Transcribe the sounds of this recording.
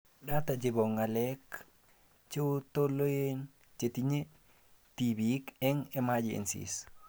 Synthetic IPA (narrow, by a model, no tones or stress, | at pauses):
datad͡ʒiboŋalek | t͡ʃetolojen | t͡ʃetiɲe | tibikɛŋemad͡ʒḛnsḭs